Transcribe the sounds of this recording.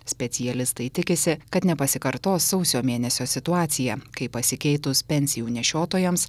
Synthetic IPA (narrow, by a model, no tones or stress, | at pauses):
sʲpʲɛt̪ʲɪjɛlʲɪst̪ɐɪt̪ʲɪkʲɪsʲɪkɐt̪nʲɛpɐsʲɪkɐɾt̪oːsːɒʊsʲoːmʲeːnʲɛsʲoːsʲɪt̪ʊɑːt̪sʲɪjɛkɐɪpɐsʲɪkʲɛɪt̪ʊspʲɛnʲsʲɪjuːnʲɛʃʲoːt̪oːjɛms